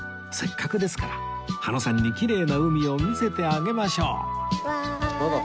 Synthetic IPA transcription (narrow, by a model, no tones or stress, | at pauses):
se̞kʰːakɯ̟d̪e̞sɨ̥kaɾa | hano̞sãɲ̟ːikʲiɾe̞ːnaɯ̟mʲio̞mʲise̞t̪e̞aɡe̞maɕo̞̰ː